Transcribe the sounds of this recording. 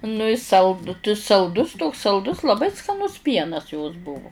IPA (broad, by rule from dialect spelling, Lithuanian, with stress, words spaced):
nʊ ɪ ˈsɐlˠt t sɐlˠˈdʊs toːks sɐlˠˈdʊs lˠɐˈbɐɪ skɐˈnʊs ˈpʲiɛnɐs joːs ˈbʊʋʊ